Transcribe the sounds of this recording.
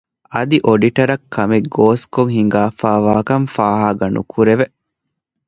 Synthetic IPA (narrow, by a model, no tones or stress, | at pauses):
ɐd̪iʔoɖiʈɐɾɐkʰːɐmeɡoːskoŋɦiŋɡaːfaːʋaːkɐmfaːɦaːɡɐnṵkʰuɾeʋe